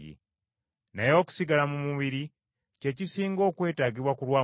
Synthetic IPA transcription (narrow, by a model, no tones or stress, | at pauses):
ḭ | najo̞ːku̥siɡalamumuβiɾi | ce̞cisiːŋɡo̞ːkwe̞ːtaːɟiβwakulwaː